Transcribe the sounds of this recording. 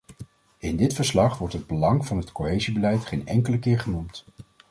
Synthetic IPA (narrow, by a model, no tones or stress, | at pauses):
ɪndɪtfəɹslɑχʋɔɹtɦəd̚bəlɑŋvɑnɦətkoɦejzibəlɛjtχejnɛ̰ŋkələkɪːɹχənumt